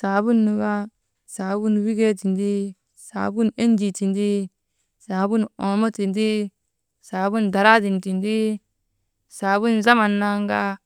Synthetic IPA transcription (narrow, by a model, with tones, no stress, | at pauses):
saː˨bu˦nːu˨ɡa˦ | saː˨bu˦nwi˦ɡe˦ti˨ndi˦ | sa̰ː˨bu˦ne˦nd͡ʒi˨ti˨ndi˦ | saː˨bu˦no˨mo˦ti˨ndi˦ | saː˨bu˦nda˨ɾa˦di˨nti˨ndi˦ | saː˨bu˦nza˦ma˨nːa˦ŋɡa˦